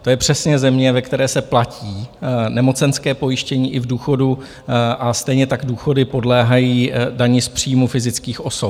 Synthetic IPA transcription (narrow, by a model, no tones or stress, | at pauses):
t̪o̞jɛpr̝̥ɛsɲɛzɛmɲɛvɛkt̪ɛɾɛːsɛplaciːnɛmo̞t͡sɛnskɛːpo̞jɪʃcɛɲiːʔɪvduːxo̞du | ʔast̪ɛjɲɛt̪aɡduːxo̞dɪpo̞dlɛːɦajiːdaɲɪspr̥iːjmufɪzɪt͡skiːxʔo̞sop